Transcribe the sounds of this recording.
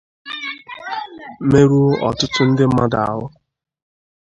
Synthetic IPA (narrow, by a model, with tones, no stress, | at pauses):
me˦ɾu˦o˦ʔɔ̰˨tʊ˦tʊ˦n̩˦dɪ˦m̩˦ma˦da˨a̰˨ɦʊ˦